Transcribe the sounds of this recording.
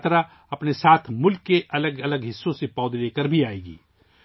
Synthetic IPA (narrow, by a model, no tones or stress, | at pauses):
t̪ɾa | ɐpnesaːt̪ʰmʊlkːeʔɐləɡɐləɡɦɪsːõsepɔːd̪leːkəɾbʱiaːeːɡḭː